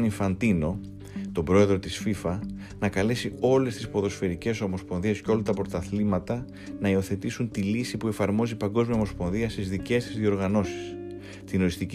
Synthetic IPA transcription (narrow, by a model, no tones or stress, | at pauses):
niɱfɐnd̪ino̞ | t̪o̞bɾo̞e̞ðɾo̞t̪isfifɐ | nɐkɐle̞sio̞le̞st̪ispo̞ðo̞sfe̞ɾice̞so̞mo̞spo̞nðiesceo̞lɐt̪ɐpɾo̞t̪ɐθlimɐt̪ɐ | nɐio̞θe̞t̪isunt̪ilisipue̞fɐɾmo̞zipɐŋɡo̞zmiɐo̞mo̞spo̞nðiɐst̪izðice̞st̪izðio̞ɾɣɐno̞si̥s | t̪ino̞ɾist̪ic